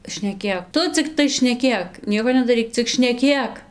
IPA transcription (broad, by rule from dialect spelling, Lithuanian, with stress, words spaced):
ʃʲnʲɛˈkʲeːk ˈtʊ t͡sʲɪkˈtɐɪ ʃʲnʲɛˈkʲeːk ˈnʲiɛkoː nʲɛdɐˈrʲiːk t͡sʲɪk ʃʲnʲɛˈkʲeːk